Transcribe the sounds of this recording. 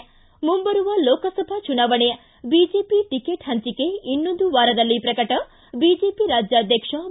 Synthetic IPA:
mumbɐɾuʋɐloːkɐsɐbʱɐt͡ʃunaːʋɐɳe | bid͡ʒeːpiʈikeːʈhɦɐɲt͡ʃikeinːond̪uʋaːɾɐd̪ɐlːipɾɐkɐʈɐ | biːd͡ʒeːpiɾaːd͡ʒjaːd̪ʱjɐkʂɐ

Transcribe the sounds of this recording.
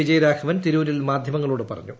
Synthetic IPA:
id͡ʑɐjɾaːkʰɐʋɐnt̪iɾuːɾilmaːd̪ʱjɐmɐŋːɐɭuːɽɨpɐrɐ̰ɲːu

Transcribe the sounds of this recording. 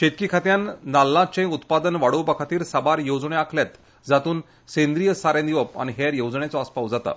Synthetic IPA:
ɕet̪̚kikʰat̪jãnːalːãt͡sẽut̪pad̪ənʋaɽobakʰat̪iːɾsabaɾjod͡zɳẽakʰljat̪ | d͡zat̪uːn | sẽnd̪ɾijəsaɾẽnd̪iʋəpa̰ɽ̃iɦeɾjowd͡zɳet͡sɔəspawd͡zat̪a̰

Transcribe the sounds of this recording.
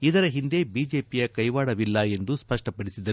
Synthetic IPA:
id̪ɐɾɐɦind̪e̞biːd͡ʒe̞ːpijɐkɐjʋaːɽɐʋilːɐe̞nd̪uspɐʂʈɐpɐɽisid̪ɐ

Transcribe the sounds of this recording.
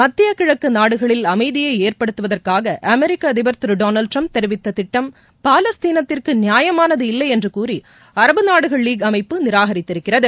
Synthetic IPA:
mɐt̪ːɪjɐkɪɻɐkːɯnaːɽɯɣɐɭɪlɐmɐɪðɪjɐɪeːrpɐɽɯt̪ːɯʋɐðɐrkaːɣɐʔɐmɛɾɪkːɐðɪbɐɾt̪ɪɾɯɖoːnɐlɖʈrɐmp̚t̪ɛɾɯʋɪt̪ːɐt̪ɪʈːɐm | paːlɐst̪iːnɐt̪ːɪrkɯnɪjaːjɐmaːnɐðɯɪlːɐɪɛndrɯkuːri | ɐɾɐbɯnaːɽɯɣɐɭːiːɡɐmɐɪpːɯnɪɾaːɣɐɾɪt̪ːɪɾɯkːɪrɐðɯ

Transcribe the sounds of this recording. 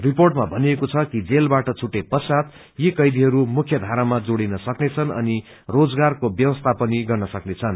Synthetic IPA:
riporʈmabʱʌniekot͡sʰʌkid͡zelbaʈʌt͡sʰuʈːepʌsad̪ | jikʌjd̪iɦʌɾumukʰjʌd̪ʱaɾamad͡zoɽinʌsʌknet͡sʰʌnʌ̰ni | rod͡zɡarkobjʌwʌst̪ʰapʌniɡʌrnʌsʌknet͡sʰʌn

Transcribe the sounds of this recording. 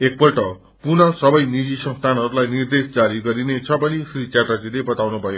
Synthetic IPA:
ek̚bʌlʈʌ | purnʌsʌbʌjnid͡zisʌ̃nst̪ʰanɦʌɾulajnird̪esd͡zaɾiɡʌɾinet͡sʰʌbʌnisrit͡sarad͡zilebʌt̪awnubʱʌjo

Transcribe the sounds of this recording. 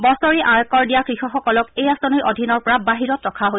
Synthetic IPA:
bɔsɔɹiʔaɹkɔɹdijakɹixɔxɔkɔlɔkejasɔnɔjʔodʱinɔɹpɔɹabaɦiɹɔtɹɔkʰaɦo

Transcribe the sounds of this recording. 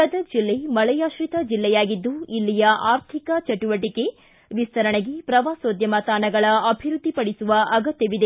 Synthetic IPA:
kɐd̪ɐd͡ʒilːe̞mɐɭɐjaːʃɾit̪ɐd͡ʒilːɛjaːɡid̪ːuilːijɐʔaːɾt̪ʰikɐt͡ʃɐʈuʋɐʈike̞ | ʋist̪ʰɐɾɐɳeɡepɾɐʋaːsoːd̪ʱjɐmaːt̪aːnɐɡɐɭɐɐbʱiɾud̪ʱːipɐɽisuʋɐʔɐɡɐt̪jɐʋid̪e

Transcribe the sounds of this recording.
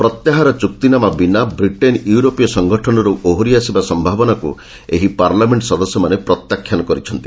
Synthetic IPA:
pɾɔt̪jaɦaɾɔt͡ʃuk̚t̪inamabinabɾiʈenjuuɾopijɔsɔŋɡʱɔʈʰɔnɔɾuʔoɦoɾiasibasɔmbʱabɔnakṵ | eɦipaɾlameɳʈsɔd̪ɔsjɔmanepɾɔt̪jakʰːjanɔkɔɾit͡ʃʰɔnt̪i

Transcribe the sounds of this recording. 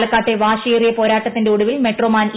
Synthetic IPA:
lɐkːaːʈːeʋaːɕeirijɐpo̞ːɾaːʈːɐt̪ːinde̞uɽuʋilme̞ʈroːmaːn

